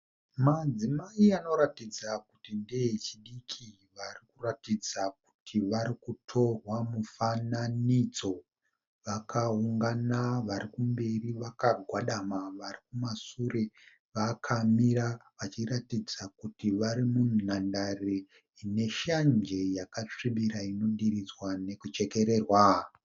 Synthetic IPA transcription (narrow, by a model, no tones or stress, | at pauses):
mad͡zimaiano̞ɾatid͡zakutindejet͡ʃiɗikʰi | ʋarikuratid͡zak̚u̥tʰiʋaɾikutʰo̞rwamufananid͡zo̞ | ʋakʰauŋɡanaʋaɾikumbe̞riʋakaɡʱwaɗamaʋarikumasure | ʋakʰamiɾaʋat͡ʃiratid͡zakutiʋaɾimunnandare | ine̞ʃand͡ʒe̞jakat͡ʂiɓiɾaino̞ɗiɾid͡zwane̞kut͡ʃe̞ke̞ɾe̞rwa